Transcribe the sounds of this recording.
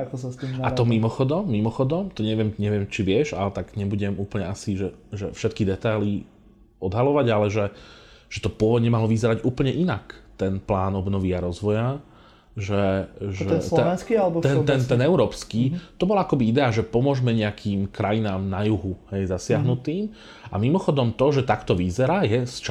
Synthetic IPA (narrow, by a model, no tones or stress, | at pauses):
akɔsastiat̪ɔmimɔxɔd̪ɔmːimɔxɔd̪ɔmt̪ɔɲɛʋɪɛmɲɛʋɪɛmt͡ʃiʋɪɛʒa̰lɛt̪aɡɲɛbuɟɛmuːplɲɛasiʒɛʒɛfʃɛt̪̚kid̪ɛt̪ajli | ɔd̪ɦalɔʋaɟalɛʒɛʒ̥ɛt̪ɔpʊɔʋɔd̪ɲɛmalɔʋizɛɾaɟuːpl̩ɲɛʔinakt̪ɛnplaːnɔbnɔʋiaɾɔzʋɔja | ʒɛʒɛɛnskialɛbɔt̪ɛnt̪ɛnɛnɛʊɾɔːpskiːt̪ɔbɔlaakɔbiid̪ɛaʒɛpɔmʊɔʒmɛɲɛakʰiːmkɾajinaːmnajuɦuhɛjzasɪaɦnut̪iːm | amimɔxɔd̪ɔmt̪ɔʒɛt̪akt̪ɔʋizɛɾaːjɛst͡ʃ